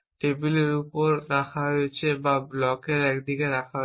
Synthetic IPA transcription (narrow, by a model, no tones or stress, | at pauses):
ʈebiliɹupɔɹːaxʰaɦojt͡ʃʰɛbablɔkeɹɛkd̪ikɛɾakʰaɦ